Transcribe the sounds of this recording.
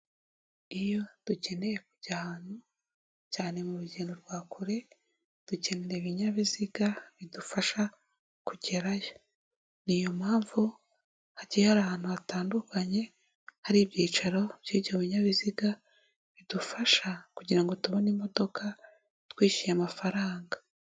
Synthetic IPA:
ijo̞tuɟe̞ne̞jekuɟ̥ahaːn̥hu | caːne̞muɾuɟeːndo̞ɾɡwaːkuɾe̞ | d̥uce̞neɾeβiɲaβiziɡaβidufaʃa | kuɟe̞ɾajo̞ | nijo̞mhaːɱvu | haɟihaɾahaːn̥huβataːndukaɲe̞ | haɾiːβjiːt͡ʃaɾo̞b̥jiːβɟo̞βiɲaβiziɡa | βidufaʃakuɟiɾaŋɡo̞tuβo̞niːmo̞do̞ka | twiːʃijamafaɾaːŋɡḁ

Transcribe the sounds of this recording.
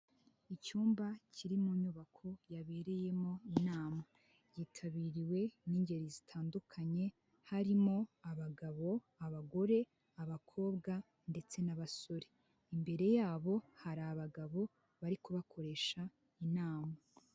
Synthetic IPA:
icuːmbacʰiɾimuɲuβakʰo̞jaβeːɾe̞je̞mo̞inaːma | jiːtʰaβiːɾiwe̞niːɲɟe̞ɾizitʰaːndukʰaɲe̞ | haɾimo̞aβaɡaβo̞ | aβaɡo̞ɾe̞ | aβakʰo̞ːbɡa | nde̞t͡se̞naβaso̞ɾe | imbe̞ɾe̞jaːβo̞haɾaːβaɡaβo̞ | βaɾikuβakʰo̞ɾe̞ːʃa | inaːma

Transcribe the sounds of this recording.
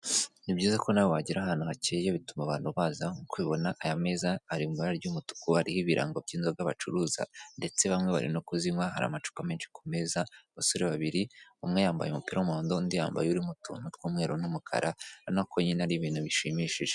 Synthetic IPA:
nibɟiːzako̞naβowaɟiɾaɦaːn̥uɦacejoβitumaβaːn̥huβaːzakwiβo̞naʔjame̞ːzaːɾimɡoɾaɾɟumutu̥kuaɾihiβiɾʔa̰ŋɡob̚ɟiːnzoɡaβat͡ʃuɾuːza̰nde̞t͡se̞βamŋe̞βa̰ɾḭnokuzimwaɦa̰ɾa̰mat͡ʃu̥kame̞ːnʃi̥ku̥me̞ːzaβasoɾeβaβiɾiumŋejaːmba̰jemupiːɾaumuoːndondijaːmba̰juɾimutṵnutkuːmŋe̞ːɾonumukʰa̰ɾʔanokoɲinaɾiβiːnhuβiʃimiːʃiʒ̥e

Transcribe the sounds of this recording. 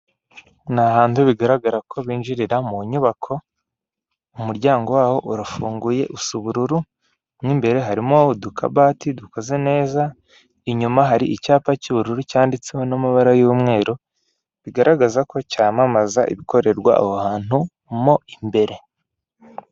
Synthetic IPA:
nahaːntuβiɡaɾaɡaɾakʰo̞βiːnʒiɾiɾamuɲuβakʰo̞ | umuɾɟaːŋɡo̞waːho̞ʔuɾafuːŋɡuje̞ʔusuβuɾuɾu | mŋiːmbe̞ɾe̞ɦaɾimodukʰa̰baːtiduko̞ze̞ne̞ːza | iɲumaɦaɾiʔicaːpaciβuɾuɾucaːndit͡sewonamaβaɾajuːmŋe̞ːɾo | βiɡaɾaɡazako̞caːmamaza̰ʔḭβiko̞ɾe̞ɾɡwa̰a̰βohaːn̥hu | mo̞imbe̞ɾe̞

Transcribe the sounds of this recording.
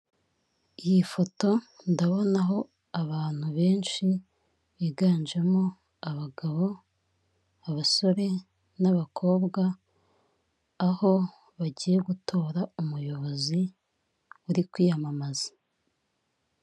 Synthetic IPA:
ijifo̞to̞ndaβo̞naɦo̞ | aβaːn̥huβe̞ːnʃi | βiːɡaːnd͡ʒemo̞ | aβaɡaβo̞ | aβaso̞ɾe̞ | naβakʰo̞ːbɡa | ho̞ | βaɟiːje̞ɡutʰo̞ːɾaumujo̞βo̞zi | uɾikwiːjamamazḁ

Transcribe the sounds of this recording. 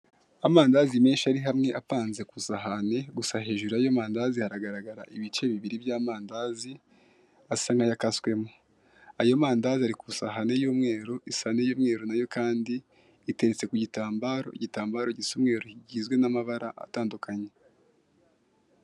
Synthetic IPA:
amaːndaːzimeːnʃaɾiɦamŋe̞ʔapaːnze̞kusaɦane̞ɡusaɦe̞ːʒuɾajo̞maːndaːzihaɾaɡaɾaɡaɾaʔiβit͡ʃe̞βiβiɾibjaːmaːndaːzi | asaŋɡajakaskwe̞mo | ajo̞maːndaːziaɾikusaɦane̞joːmŋe̞ːɾoʔisane̞joːmŋe̞ːɾonajo̞kaːndiː | te̞ɾet͡se̞kuɟitaːmbaːɾo̞̰ḭɟitaːmbaɾo̞ɟisumŋe̞ːɾoiɟiːzɡwe̞namaβaɾaʔa̰taːndukʰaɲe̞

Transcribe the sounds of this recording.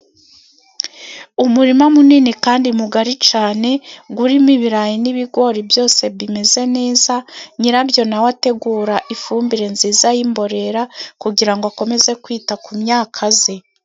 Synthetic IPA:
umuɾimamuniːnikaːndimuɡaɾit͡ʃaːne̞ɡuɾimiβiɾajiniβiɡo̞ɾibjo̞ːse̞βime̞ze̞ne̞ːzaɲiɾabjo̞nawate̞ɡuːɾaʔifuːmbiɾe̞nziːzajimbo̞ɾe̞ɾakuɡiɾaŋɡoako̞me̞ze̞kwiːtakumɲaːkʰaze̞

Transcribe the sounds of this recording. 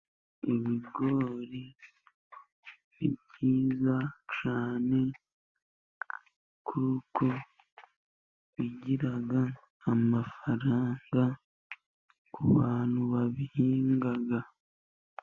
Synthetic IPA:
iβiɡo̞ɾi | βib̚ɟiːzat͡ʃaːne̞ | kʰuuko | βiɟiɾaɡaː | mafaɾaːŋɡa | kʰṵβaːn̥huβaβihiːŋɡaɡa

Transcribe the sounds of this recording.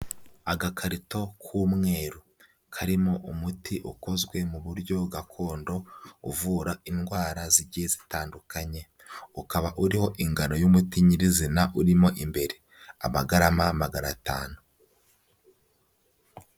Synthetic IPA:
aɡakʰaɾito̞kʰumŋe̞ːɾu | kʰaɾimo̞ʔumutʰiʔuko̞zɡwe̞muβuɾɟo̞ɡakʰo̞ːndo̞ṵvuːɾainɡwaːɾaziɟizitaːndukaɲe̞ | ukaβaʔuɾiho̞ʔiŋɡano̞jumutiɲiɾizinaʔuɾimo̞ʔimbe̞ɾe̞ | a̰maɡaɾamamaɡanata̰ːnu

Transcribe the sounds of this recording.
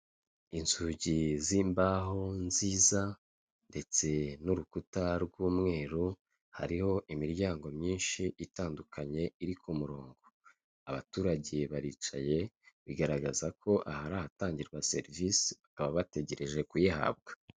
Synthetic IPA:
inzuɟiziːmbaɦo̞nziːza | nde̞t͡se̞nuɾukutaɾɡuːmŋe̞ːɾu | ha̰ɾiho̞ʔimiɾɟaːŋɡo̞mɲiːnʃiʔitaːndukʰaɲe̞iɾikʰumuɾo̞ːŋɡo | aβatuːɾaɟe̞βaɾit͡ʃa̰je̞βiɡaɾaɡazakʰo̞ʔahaɾahataːɲɟiɾɡwase̞̰ɾvisiakaβaβate̞ɟe̞ɾe̞ʒe̞kujiha̰b̚ɡḁ

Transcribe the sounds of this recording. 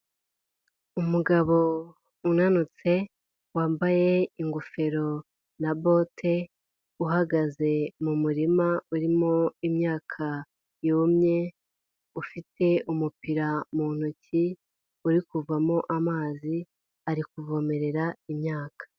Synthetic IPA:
umuɡaβo̞ | unanut͡se̞ | waːmbaje̞iŋɡufe̞ɾo̞ | nabo̞tʰe̞ | uɦaɡaze̞mumuɾimauɾimo̞imɲaːkʰa | juːmɲe̞ | ufite̞ʔumupiɾamuːn̥uci | uɾikuvamo̞ʔamaːzi | aɾikuvo̞me̞ɾe̞ɾaimɲaːkḁ

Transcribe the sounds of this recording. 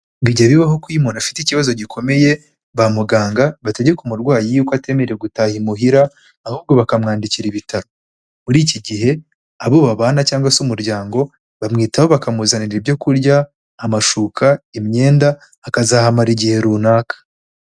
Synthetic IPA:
ɡiɟaβiβahokwimonafi̥ticiβazo̞ɟikʰo̞me̞je̞ | βamuɡaːŋɡaβate̞ɟekumuɾɡwaːjijuːkwate̞meɾeɾeɡutaːhimuɦiɾaː | huːb̚ɡo̞βakamŋaːndiciɾiβitaɾo | muɾiːciɟihe̞ | aβoβaβaːnacaːŋɡwasumuɾɟaːŋɡo̞ | βamŋiːtahoβakamuzaniɾiɾibjo̞kuɾɟaː | maʃuːkʰaimɲe̞ːndaː | kazaːhamaɾiɟihe̞ɾuːnaːkḁ

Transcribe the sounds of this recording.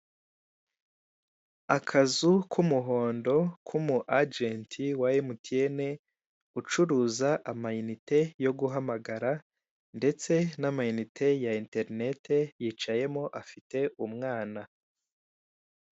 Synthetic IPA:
akʰazukʰumuɦo̞ːndo̞kʰumuʔad͡ʒentʰiwajemutiene̞ | ut͡ʃuɾuzaʔamajinite̞jo̞ɡuɦamaɡaɾa | nde̞t͡se̞namajinitʰe̞jainte̞ɾne̞te̞jiːt͡ʃaje̞moʔafite̞umŋaːna

